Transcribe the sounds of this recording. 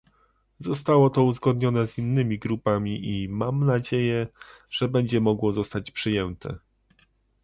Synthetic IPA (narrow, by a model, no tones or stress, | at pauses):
zɔst̪awɔt̪ɔuzɡɔd̪̚ɲɔnɛzinːɘmʲiɡɾupamʲiʔimamnad͡ʑejɛʐ̥ɛbɛɲd͡ʑɛmɔɡwɔzɔst̪at͡ɕpʂɘjɛnt̪ʰɛ̰